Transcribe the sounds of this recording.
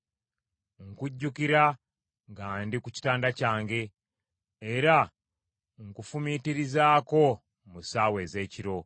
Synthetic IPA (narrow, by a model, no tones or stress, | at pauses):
ŋkuɟːukiɾa | ŋɡaːndikuci̥taːndacaːŋɡe̞ː | ɾa | ŋkufumitiɾizaːko̞ | musaːwe̞ːze̞ːciɾo̞